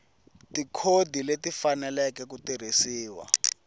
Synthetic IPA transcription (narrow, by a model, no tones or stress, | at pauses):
tikʰodʱiletifanɛlɛkɛk̬utir̤isiːwa̰